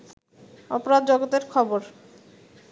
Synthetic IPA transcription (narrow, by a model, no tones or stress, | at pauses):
ɔpoɾad̪d͡ʑɔɡot̪eɾkʰɔboɾ